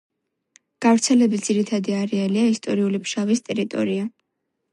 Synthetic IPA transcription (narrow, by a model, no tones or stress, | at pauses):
ɡ̥avɾt̪sʰɛlɛbit̪d̪ziɾit̪ʰad̪iaɾɛaliaist̪ʼɔɾiulipʰʃavist̪ʼɛɾit̪ʼɔ̰ɾia